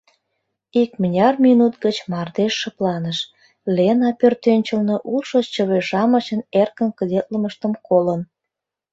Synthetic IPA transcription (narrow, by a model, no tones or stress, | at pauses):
ikmənʲɑrminut̪ɡət͡ɕmɑrd̪eʃːə̆plɑnəʃ | lenɑpørt̪ønʲt͡ɕəlnoʔulʃot͡ɕəβeʒɑmə̆t͡ɕənerkənkəd̪et̪̚ləməʃt̪əmkolən